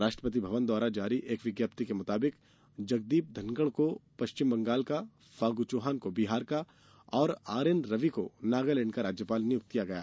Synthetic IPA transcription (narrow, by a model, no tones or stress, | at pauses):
ɾaːʃʈɾəpət̪̬ibʱɐʋənd̪waːɾad͡ʒaːɾiʔeːkʋɪɡjaːp̚t̪ikemʊt̪aːbɪk | d͡ʒɐɡ̚d̪iːp̚d̪ʱɐ̃ŋɡəɽ̃kopɐʃt͡ʃɪmbɐ̃ŋɡaːlka | faːɡut͡ʃoːɦaːnkobiɦaːɾka | ɔːɾaːɾenɾɐʋikonaːɡaleːɳkaɾaːd͡ʒjəpaːlnijʊk̚t̪kijaɡɐjaː